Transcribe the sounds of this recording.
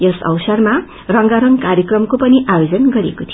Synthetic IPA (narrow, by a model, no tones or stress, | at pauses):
jʌsʌ̰wsʌrma | rʌŋɡaɾʌŋkaɾjʌkrʌmkopʌniʔajod͡zʌnɡʌɾiekot̪ʰi